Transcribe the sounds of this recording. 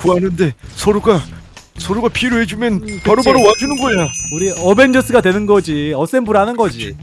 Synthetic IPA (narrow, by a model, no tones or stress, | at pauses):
kuanɯnde̞sʰoɾoɡasʰoɾoɡapʰiɾoɦed͡ʑumjʌnpaɾobaɾowad͡ʑunɯnɡʌjauɾiʌbe̞nd͡ʑʌs͈ʰɯɡadwe̞nɯnɡʌd͡ʑiʌs͈e̞nbuɾɦanɯnɡʌd͡ʑi